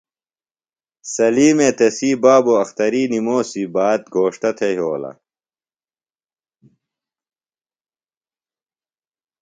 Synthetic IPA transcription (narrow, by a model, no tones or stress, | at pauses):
sɐliːmeːt̪esiːbaːboɐxt̪ɐɾiːnimoːsibaːt̪̚ɡʱoːʂʈ̪ɐt̪ʰeɦoːlɐ̰